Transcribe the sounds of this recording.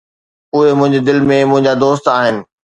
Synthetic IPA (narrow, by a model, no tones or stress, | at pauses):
ʊɦemʊ̃ɦɪ̃ɲd͡ʑed̪ɪlmẽmʊ̃ɦɪ̃ɲd͡ʑad̪oːst̪aːɦɪnɪ̆